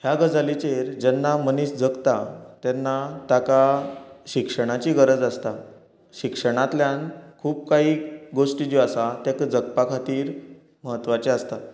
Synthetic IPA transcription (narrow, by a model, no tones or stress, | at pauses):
hjaɡəd͡zalit͡ɕeɾd͡ʑɛnːaməniɕd͡zəkt̪at̪anːat̪akaɕikʂəɳ̃at͡ɕiɡəɾəd͡zast̪a | ɕikʂəɳ̃ãt̪ljankʰuːp̚kaɦiːɡoʂʈid͡ʑiasat̪jakəd͡zəkpakʰat̪iːɾ | məɦət̪ːʋat͡ɕeast̪a